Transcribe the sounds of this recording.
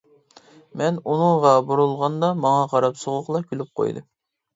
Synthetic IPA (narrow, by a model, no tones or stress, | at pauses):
mɛnunɨŋʁɑboɾulˠʁɑnd̪ɑmɑŋɑqʰɑɾɑpsoʁʊqlˠɑkʲʰylyp̚qʰo̰jd̪ɨ̰